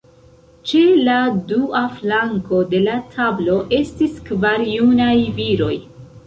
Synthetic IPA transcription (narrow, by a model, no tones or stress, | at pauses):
t͡ʃeladuaflaŋko̞de̞latʰablo̞ʔe̞stiskvaɾijunajviɾo̞j